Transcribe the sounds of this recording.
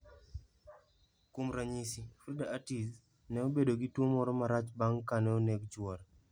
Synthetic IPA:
kʊmɾaɲisifɾidaatis | nɛobedoɡɪtwomɔɾɔmaɾat͡ʃbaŋkanɛoneɡd͡ʒwɔɾ

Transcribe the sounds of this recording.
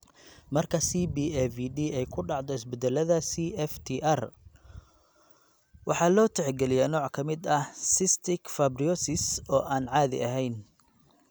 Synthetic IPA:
mɐrkʰɐsiːbiːɛfiɖiːɛjkʰʊɖɑʕd̪ɔɪsbɛd̪ɛlɐðasiːʔɛft̪ʰiʔɐr | wɑħɑːlɔːt̪ʰɛʕɡɛlɪjɛnɔːʕkʰɐmɪd̪ɐhsɪst̪ʰɪkfɐbriɔsɪsɔːʔaːnʕɑːðɪ̰ʔɐɦɛjn

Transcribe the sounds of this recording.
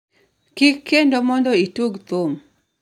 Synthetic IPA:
kɪkːendomɔndɔituɡt̪om

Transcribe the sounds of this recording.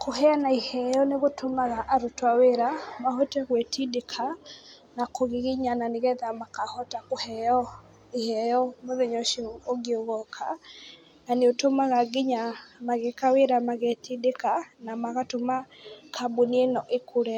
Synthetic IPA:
kohɛanaihɛjɔneɣotʰomaɣaʔaɾotwaweɾamaɦotɛɣwɛtʰidekʰa | nakʰoɣiɣiɲananeɣɛðamakahɔtakohɛjɔ | ihɛjɔmoðeɲɔʃioɡioɣɔkʰa | naneotomaɣaɡiɲamaɣekaweɾamaɣɛtidekanamaɣatomakʰabonienɔʔekʰoɾɛ

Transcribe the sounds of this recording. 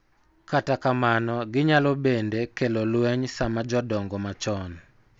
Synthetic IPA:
katakamanɔɡɪɲalɔbendekelolwɛɲsamad͡ʒɔdɔŋɡɔmat͡ʃɔn

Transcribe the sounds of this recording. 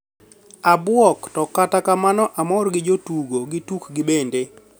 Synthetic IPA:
abwɔktɔkatakamanɔʔamɔrɡɪd͡ʒotuɡoɡɪtukɡɪbende

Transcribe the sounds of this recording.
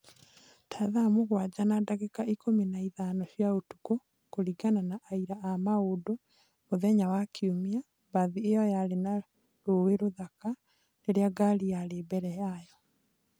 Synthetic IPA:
tʰaðamoɣwad͡ʑanadaɣekaikominaiðaːnɔɕjaotu̥ko | koɾiɡananaʔaiɾaʔamaodo | moðɛɲawakʰiomia | baðiejɔjaɾena | ɾoweɾoðaka | neɾeaɡaɾijaɾeːbɛɾɛjajɔ

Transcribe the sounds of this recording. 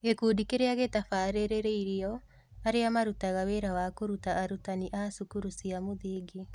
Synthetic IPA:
ɣekuːdikeɾeaɣetafaːɾeɾeɾeiɾiɔ | aɾeamaɾutaɣaweɾawakoɾutaːɾutaniʔasukuɾusiamoðiːɡi

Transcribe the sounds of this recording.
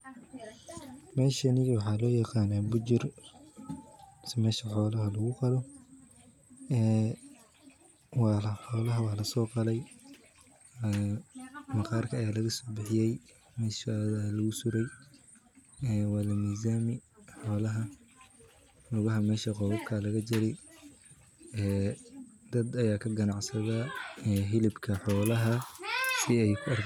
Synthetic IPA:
mɛːʃɐnɪwɑħɑːlɔːjɑqɑːnaːbʊd͡ʒɪr | sɛmɛːʃɐħɔːlɐɦɐlɐɣʊqɑlɔ | ɛː | wɑːlɐħɔːlɐɦɐwɑːlɐsɔːqɑlɛj | ɛ | mɐqɑːrkʰɐːjaːlɐɣɐsɔːbɪħɪjɛj | mɛːʃaðalɐɣʊsʊɾɛj | ɛːwɑːlɐmiːzaːmɪħɔːlɐɦɐ | lʊɣɐɦɐmɛːʃɐqɔwɐbkʰɐlɐɣɐt͡ʃɪɾɪj | ɛː | d̪̥ɐd̪ɐjaːkʰɐɡɐnɑʕsɐðaɛɦɪlɪbkʰɐħɔːlɐɦɐsɪɛjkʰʊɐr

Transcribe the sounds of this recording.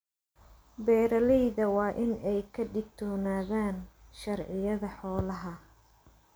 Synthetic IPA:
bɛːɾɐlɛjðɐwɑːʔɪnɛjkʰɐɖɪɡ̚t̪ʰɔːnaːðaːnʃɐrʕɪjɐðɐħɔːlɐɦɐ

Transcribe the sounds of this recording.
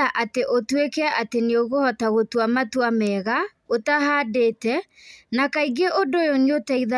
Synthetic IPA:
aʔateʔotwekɛaʔateneoɣohɔtaɣotwamatwamɛɣa | otahaːdeːtɛ | nakaiɡeʔodojoniotaiða

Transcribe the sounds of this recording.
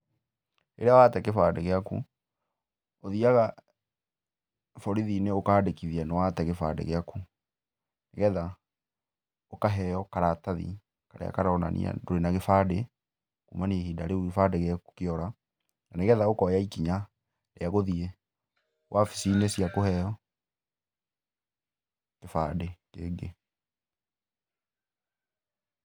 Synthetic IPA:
ḛɾeawatɛkefadeɣeakṵ | oðiaɣa | fɔɾiðineokaːdekiðianɔwaːtɛɣefa̰dḛɣeaku | neɣɛða | okaɦɛjɔkaɾataðḭ | kaɾḛa̰kaɾaɔna̰nʔḭa̰doɾenaɣefaːde | kṵmaniehidaɾeufadeɣeaku̥keɔɾa | naneɣɛðaokɔjaikiɲa | leaɣoðie | wʔafi̥sinesiakohɛjɔ | kefadekeːɡe

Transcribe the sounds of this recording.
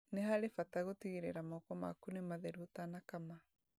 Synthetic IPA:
neɦaɾefataɣotiɣeɾeɾamɔkɔma̰kunemaðɛɾutanakama

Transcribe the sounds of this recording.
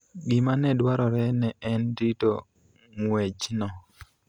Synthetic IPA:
ɡimanɛdwaɾɔɾɛnɛʔɛndito | ŋwɛt͡ʃnɔ

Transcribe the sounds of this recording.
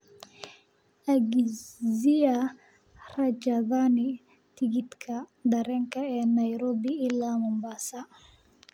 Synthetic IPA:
aɡizia | rɐd͡ʒɐðani | t̪iɡit̪kʰɐd̪ɐɾɛŋkɐɛːnɐjɾobiilːamɔmbasa

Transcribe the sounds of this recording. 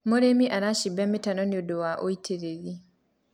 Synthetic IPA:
mɔɾemiʔanaʃibɛmːitanɔnjɔdɔwaʔojtʰeɾeɡi

